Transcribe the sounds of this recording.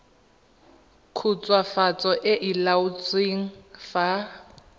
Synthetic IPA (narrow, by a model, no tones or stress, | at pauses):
kʰut͡sʼwafat͡sʼɔʔɪʔilaʊt͡sʼweŋ̩fa